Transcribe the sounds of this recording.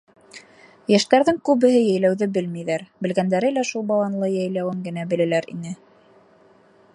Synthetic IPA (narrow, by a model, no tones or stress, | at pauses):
jæʃt̪æɾðɘŋkʉβɘ̆ɦɘjæjlæwðɘbɘlmijðæɾbɘ̆lɡænd̪æɾɘlæʃulˠbɑw̪ˠɑnlˠɤjæjlæwɘŋɡɘ̆næbɘ̆lɘ̆læɾḭnɘ